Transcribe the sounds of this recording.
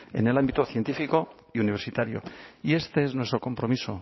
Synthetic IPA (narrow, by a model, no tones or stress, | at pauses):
ḛne̞lambit̪oθje̞nt̪ifiko̞ | iuniβ̞e̞ɾsit̪aɾjo̰ie̞st̪e̞e̞znwe̞st̪ɾoko̞mpɾo̞miso̞